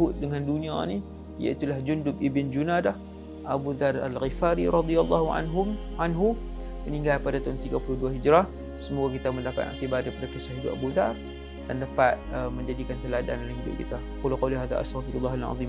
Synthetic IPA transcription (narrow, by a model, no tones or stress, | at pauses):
ʊt̪̚dəŋãndunĩani | ja̰it̪ulahd͡ʒundʊp̚ibɪnd͡ʒunadah | ʔabuðara̰lɣifaɾiɾɑd̪ialːɑhua̰nɦʊanɦu | məniŋɡalpadat̪aʊnt̪iɡapulʊhduaɦid͡ʒɾah | səmuɡakit̪aməndapa̰t̪a̰ʔt̪ibadapadat̪usaɦidʊʔabuðar | d̥andapat̪̚əməɲd͡ʒadikant̪əlada̰nolaŋɦidʊ̰p̚kḭt̪a | qulqaliɦaða̰ʔa̰st̪aɣfiɾulːaɦalʕa̰ðˤim